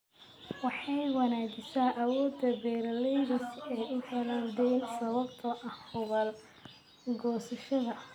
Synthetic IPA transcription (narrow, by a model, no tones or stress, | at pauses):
wɑħɑjwɐnaːɡɪsaːʔɐwɔːd̪ːɐbɛːɾɐlɛjɾɐsɛjʔʊħɐlɐwdɛjnsɐβɐbt̪ʰɐʔɐhhʊɣɐl | ɡɔːsɐʃɐðɐ